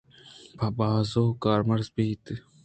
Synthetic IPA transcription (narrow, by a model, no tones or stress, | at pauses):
pɐbaːzoːkaːɾmɐɾzbiːt̪ɨ